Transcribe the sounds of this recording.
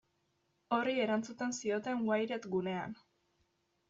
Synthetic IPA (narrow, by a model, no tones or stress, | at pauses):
o̞rie̞ɾant͡sut̪e̞nsio̞t̪e̞ŋwajɾe̞t̪ɡune̞a̰n